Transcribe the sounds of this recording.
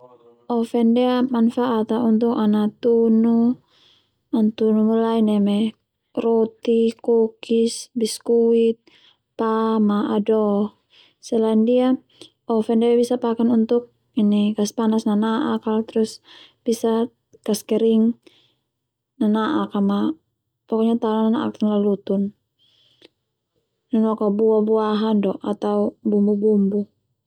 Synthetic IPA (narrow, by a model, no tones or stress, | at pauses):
ɔfɛndɛamanfaʔat̪aunt̪ukanat̪unu | ant̪unumulainɛmɛ | rɔt̪ikukisbiskuit̪̚ | pamaʔadɔ | sɛlaindia | ɔfɛndɛabisapakanunt̪uk̚ | inikaspanasnanaʔakalt̪ɾus | b̥isa | kaskɛɾiŋ | nanaʔakama | pɔkɔɲat̪anananaʔa̰kt̪anlalut̪un | nɛnuakabuabuaɦandɔʔat̪aubumbubumbu